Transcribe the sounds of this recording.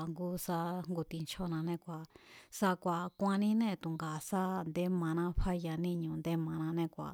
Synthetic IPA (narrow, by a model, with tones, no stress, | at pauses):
ŋɡu˦sa˧ŋɡu˧t̪i˧nt͡ʃʰo˦nã˧nẽ˦˨kʷa˨sa˧kʷa˨kʷã˧nĩ˦nẽ˦˧˨t̪u˨ŋɡa˨sa˦nd̪e˦mã˧nã˧˦ɸa˦ja˧nĩ˦˧ɲũ˧nd̪e˦mã˧nã˧nẽ˦˧˨kʷa̰˨